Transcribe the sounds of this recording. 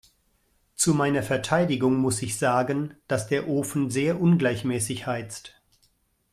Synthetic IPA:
t͡sumaɪnɐfɛɐtʰaɪdɪɡʊŋmʊsɪçz̥aːɡənd̥asd̥eːɐʔoːfn̩zeːɐʔʊnɡlaɪçmɛːsɪçhaɪt͡st

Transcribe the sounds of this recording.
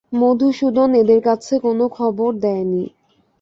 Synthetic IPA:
mod̪ʱuʃud̪oned̪eɾkat͡ɕʰekonokʰɔboɾd̪ɛeni

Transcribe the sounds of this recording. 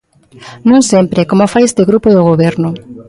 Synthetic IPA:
nũŋsempɾekomofajest̪eɣɾupoðoɣ̞oβ̞eɾnʊ

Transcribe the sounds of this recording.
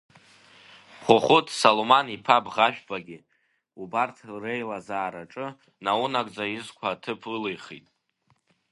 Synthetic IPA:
χʷʊχʷʊtʰsolomanipʰabʁaʃᶣbaɡʲɪ | ubartʰrejlazaːɾaʈ͡ʂʼɨ | naunakʼd͡zaizkʷʰaːtʰɨpʰɨlejχḭtʼ

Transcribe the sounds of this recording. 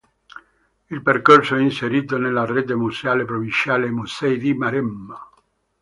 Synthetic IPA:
ilperkorsoɛinseɾiːt̪̬onelːaret̪̬emusaːlepɾovint͡ʃaːlemusɛjd̪imaɾɛmːa

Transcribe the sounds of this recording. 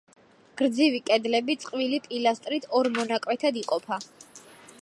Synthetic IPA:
ɡ̥ɾd̪zivikʼɛd̪lɛbit̪sʼqʼvilipʼilast̪ʼɾit̪ʰɔɾmɔnakʼwɛt̪ʰad̪iqʼɔpʰa

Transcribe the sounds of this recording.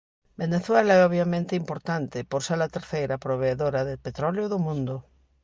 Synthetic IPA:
beneθwelaɛoβjamẽnt̪ɪimpoɾt̪ant̪ɪpoɾseɾɐt̪eɾθejɾɐpɾoβ̞eːðoɾɐðepet̪ɾɔljoðʊmũnd̪ʊ

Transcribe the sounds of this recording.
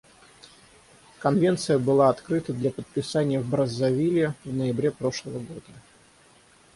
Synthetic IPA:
kɐnvʲe̞nt̪sɨjəbɨlˠaɐt̪kɾɨt̪əd̪lʲapət̪̚pʲɪsanʲɪjəvbɾəzːɐvʲilʲɪvnəjɪbɾʲepɾo̞ʂlˠəvəɡo̞d̪ə

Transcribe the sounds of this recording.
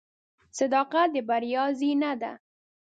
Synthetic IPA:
sɪd̪ɑqad̪əbaɾjɑzinad̪a̰

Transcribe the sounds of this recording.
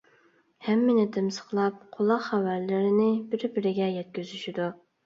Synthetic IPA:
hɛmːɪnɪt̪ʰɪmsə̥χlˠɑp̚qʰʊlˠːɑqχæwæɾlɪɾɪnɪbɪɾbɪɾɪɡʲɛjɛt̪̚kʲyzyʃid̪u

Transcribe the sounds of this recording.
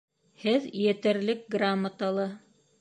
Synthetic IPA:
hɘðjɘ̆t̪æ̆ɾlɘk̚ɡramːət̪alˠɤ

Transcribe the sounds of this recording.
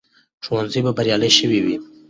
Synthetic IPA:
ʈ͡ʂʰowanzijbabɐɾjɑleʃəwiwi

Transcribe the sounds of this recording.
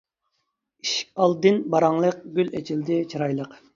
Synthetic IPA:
iʃkʲɑlˠd̪ɨnbɑɾɑŋlˠəq̚ɡʲylet͡ʃʰild̪ɪt͡ʃʰiɾɑjlˠəq

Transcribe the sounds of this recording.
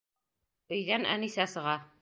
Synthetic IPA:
ɵ̆jðænʔæ̰nisæsɤ̆ʁɑ

